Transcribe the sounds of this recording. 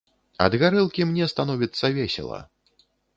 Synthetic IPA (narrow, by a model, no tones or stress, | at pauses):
ɐ̰d̪ɣaɾɨlˠkʲimnʲɛst̪anɔvʲit̪sːɐvʲɛsʲɛ̰lˠɐ̰